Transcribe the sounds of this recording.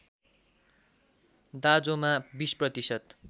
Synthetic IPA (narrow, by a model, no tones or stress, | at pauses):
d̪ad͡zomabisprʌt̪isʌt̪